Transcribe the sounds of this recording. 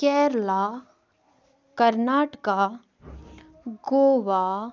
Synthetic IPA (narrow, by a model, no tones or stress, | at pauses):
kɛːɾlaː | kɐɾnaːʈka | ɡoːʋa